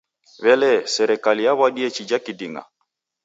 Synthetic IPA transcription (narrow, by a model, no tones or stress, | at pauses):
βɛlɛsɛɾɛkalijaβwaɗiɛt͡ʃid͡ʒakidiŋɡa̰